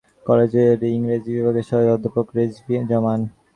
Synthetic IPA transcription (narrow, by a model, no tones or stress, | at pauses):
kɔled͡ʑeɾiŋɾed͡ʑibibʱaɡeʃɔbeɔd̪ʱːopokɾed͡ʑbd͡ʑɔman